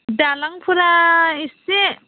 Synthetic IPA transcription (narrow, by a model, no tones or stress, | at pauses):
dalaŋpʰuɾaise